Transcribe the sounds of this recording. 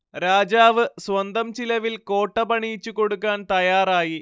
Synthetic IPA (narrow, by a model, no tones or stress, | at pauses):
ɾaːd͡ʑaːʋɨswɐnd̪ɐmt͡ɕilɐʋilko̞ːʈːɐbɐɳijt͡ɕːuko̞ɽukːaːnt̪ɐjaːraːji